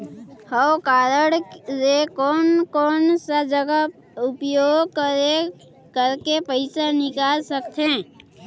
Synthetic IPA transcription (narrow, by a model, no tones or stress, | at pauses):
həkaːɾəɽsekɔːnkɔːnsad͡ʒəɡəp | ʊpjoːɡke | kəɾkepəɪsanɪkaːlsəkt̪ʰẽː